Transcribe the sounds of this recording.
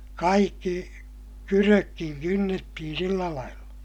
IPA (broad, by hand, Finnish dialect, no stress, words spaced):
kɑikːi kyrøkːiŋ kynːetːihin̞ silːæ lɑilːɑ